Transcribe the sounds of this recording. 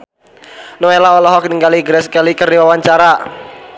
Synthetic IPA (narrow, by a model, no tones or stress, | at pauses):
noelaɔlɔɦɔkniŋɡaliɡəɾɛskalikərdiwawaɲt͡ʃaɾa